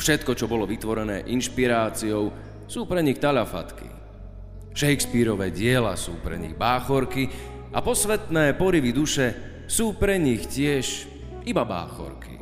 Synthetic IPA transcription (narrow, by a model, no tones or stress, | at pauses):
fʃɛt̪kɔt͡ʃɔbɔlɔʋit̪ʋɔɾɛnɛ̰ːʔinʃpiɾaːt͡siɔʊ | suːpɾɛɲixt̪aʎafa̰t̪kḭ | ʃɛjkspiɾɔʋɛːɟɪɛlasuːpɾɛ̰ɲḭɣbaːxɔɾki | apɔsʋɛt̪nɛːpɔɾiʋid̪uʃɛ | suːpɾɛɲixcɪɛʃ | ibaba̰ːxɔ̰ɾkḭ